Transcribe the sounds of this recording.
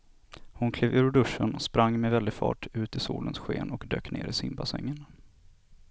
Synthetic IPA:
hʊnkʰleːvʉːɾɖ̪ɵʂːənɔspɾaŋːmɛvɛld̪ɪfɑ̰ːʈʉ̟ːt̪ɪsuːlənsɧeːnɔkd̪ø̰ːkneːɾʔɪsɪmbasɛ̰ŋːən

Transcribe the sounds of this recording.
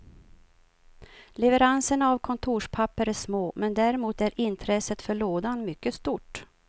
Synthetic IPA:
lɛvəɾansənavkʰɔnt̪ʰuːʂpʰapːəɾæʂmoːmɛnd̪æɾɪmuːt̪æɾʔɪnt̪ʰɾɛsət̪fœɭoːd̪anmʏkːəst̪uʈ

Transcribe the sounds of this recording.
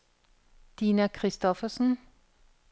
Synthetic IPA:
d̪̥iːnɑkʰʁɪst̪ɔfəsn̩

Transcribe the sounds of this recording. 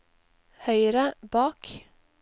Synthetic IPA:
hœʏɾəbɑːk

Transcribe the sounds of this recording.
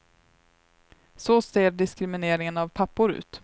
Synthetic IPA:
soseːɾɖɪskɾɪmɪneːɾɪŋənavpʰapːʊɾʉ̰ːt̪

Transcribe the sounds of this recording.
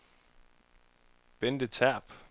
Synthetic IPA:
b̥end̥ət͡sʰæɐ̰b̥

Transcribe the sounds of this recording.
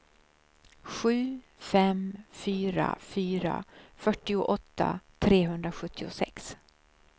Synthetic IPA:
ɧʉ̟ː | fɛmfyːɾa̰fyːɾa̰fœʈːɪʊʔɔt̪ʰːa̰t̪ʰɾeːɦɵnd̪ɾaɧɵt̪ʰːɪʊsɛ̰ks

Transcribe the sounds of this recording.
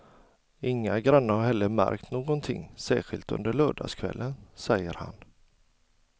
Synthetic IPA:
ɪŋːaɡɾanːəɾhaɾhɛlːəɾmæɾkt̪noːɡɔnt̪ʰɪ̰ŋːsæːɧɪlt̪ɵ̰nd̪əɭœːɖɑ̰ːskʰvɛlːənsɛjːəɾha̰n

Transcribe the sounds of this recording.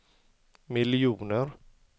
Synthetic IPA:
mɪlɪuːnəɾ

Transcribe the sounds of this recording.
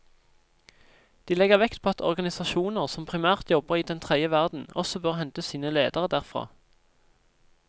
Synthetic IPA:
d̪̥iːlɛɡəʁʋɛkt̪pʰoːɑt̪ʰɔ̰ʁɡɑnɪsɑʃuːnəʁsɔmpʰʁɪmæːʁt̪jɔbəʁiːd̪ɛnt̪ʰʁɛd̪əʋæʁd̪n̩ɔ̰sɔbøːʁhɛnt̪əsiːnəleːd̪əʁəd̪æːʁfʁɑ̰ː

